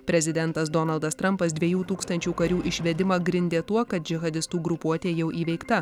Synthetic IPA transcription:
pʲɾʲɛzʲɪd̪ʲɛnt̪ɐsd̪ɔnɐlˠd̪ɐst̪ɾɐmpɐs̬d̪ʲʋʲiɛjuːt̪uːkst̪ɐnʲt͡ʃʲuːkɐɾʲuːʔɪʃʲʋʲɛd̪ʲɪmɐɡɾʲɪnʲd̪ʲeːt̪uɔkɐt̪̚d͡ʒʲɪɣɐd̪ʲɪst̪uːɡɾʊpuɔt̪ʲeːjɛʊʔiːʋʲɛɪkt̪ɐ

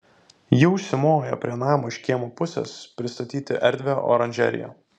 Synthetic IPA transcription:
jɛʊsʲɪmoːjo̰ːpʲɾʲiɛnɑːmoːɪʃʲkʲiɛmopʊsʲɛ̰ːspʲɾʲɪst̪ɐt̪ʲiːt̪ʲɪʔɛɾʲd̪ʲʋʲeʔo̰ːɾɐnʲʒʲɛ̰ɾʲɪ̰jo̰ː

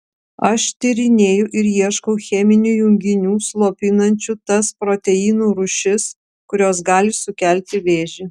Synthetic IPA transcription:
ɐʃt̪ʲɪɾʲɪnʲeːjʊʔɪɾjiɛʃkɐʊxʲɛmʲɪnʲujʊŋʲɡʲɪnʲuːslˠoːpʲɪnɐnʲt͡ʃʲut̪ɐspɾoːt̪ʲɛjiːnuːɾʊʃʲɪs | kʊɾʲoːs̬ɡɑːlʲɪsʊkʲæˑlʲt̪ʲɪʋʲeːʒʲɪ

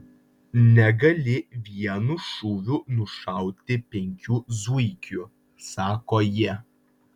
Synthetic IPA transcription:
nʲɛɡɐlʲɪʋʲiɛnʊʃuʋʲʊnʊʃɐˑʊt̪ʲɪpʲɛŋʲkʲuːzuɪkʲʊ | sɑːkoːjiɛ

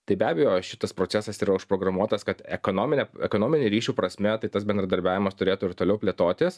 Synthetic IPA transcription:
t̪ɐɪbʲæːbʲɛjoːʃʲɪt̪ɐspɾoːt͡s̪ʲæsɐsiːɾɐʊʃpɾoːɡɾɐmuɔt̪ɐskɐt̪ɛkoːnoːmʲɪnʲɛɛkoːnoːmʲɪnʲeɾʲiːʃʲuːpɾɐsʲmʲɛt̪ɐɪt̪ɐsbʲɛnd̪ɾɐd̪ɐɾʲbʲæːʋʲɪmɐst̪ʊɾʲeːt̪ʊɪɾt̪oːlʲɛʊpʲlʲeːt̪oːt̪ʲɪs

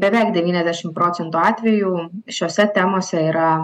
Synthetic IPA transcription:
bʲɛʋʲɛˑɪkd̪ʲɛʋʲiːnʲɛzʲd̪ʲæːʃʲɪmpɾoːt̪ʲɛnt̪uːɑːt̪ʲʋʲɛjuːʃʲoːsʲɛt̪ʲæːmoːsʲɛiːɾɐ

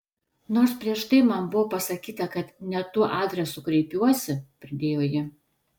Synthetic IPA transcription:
noːɾspʲɾʲiɛʃt̪ɐɪmɐnbʊʋoːpɐsɐkʲiːt̪ɐkɐt̪nʲɛt̪uːɔʔɑːd̪ʲɾʲɛsʊkɾʲɛɪpʲuɔsʲɪpʲɾʲɪd̪ʲeːjoːjɪ

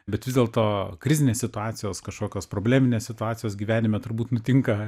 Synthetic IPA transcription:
bʲɛt̪ʋʲɪzd̪ʲeːlˠt̪oːkɾʲɪzʲɪnʲeːsʲsʲɪt̪ʊɑːt̪sʲɪjoːskɐʃkoːkʲoːspɾoːbʲlʲæːmʲɪnʲeːssʲɪt̪ʊɑːt̪sʲɪjoːsɡʲiːʋʲæːnʲɪmʲɛt̪ʊɾbuːt̪nʊt̪ʲɪŋkɐ

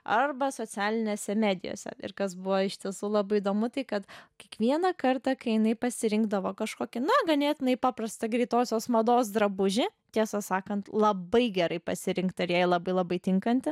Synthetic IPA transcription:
ɐrbɐsoːt͡sʲæːlʲɪnʲeːsʲɛmʲæːd̪ʲɪ̰jo̰ːsʲɛ̰ɪ̰rkɐsbʊʋoːɪʃt̪ʲiɛsuːlˠɑːbɐɪɪd̪oːmʊt̪ɐɪkɐt̪kʲiɛkʋʲiɛnɐkɐrt̪ɐkɐɪjɪnɐɪpɐsʲɪɾʲɪŋɡd̪ɐʋoːkɐʃkoːkʲɪnɐɡɐnʲeːt̪ʲɪnɐɪpɑːprɐst̪ɐɡɾʲiːt̪oːsʲoːsmɐd̪oːs̬d̪ɾɐbʊʒʲɪt̪ʲiɛsɐsɑːkɐnt̪lˠɐbɐɪɡʲɛɾɐɪpɐsʲɪɾʲɪŋkt̪ɐɪɾjæːjlˠɐbɐɪlˠɐbɐɪt̪ʲɪŋkɐnʲt̪ʲɪ

